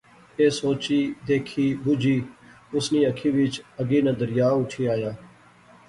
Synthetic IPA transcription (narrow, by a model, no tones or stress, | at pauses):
eːsoːt͡ʃiːd̪eːkʰiːbʊd͡ʒʱiː | ʊsniːəkʰiːʋɪt͡ʃəɡiːnə̃d̪əɾɪjaːʊʈʰiːaːjaː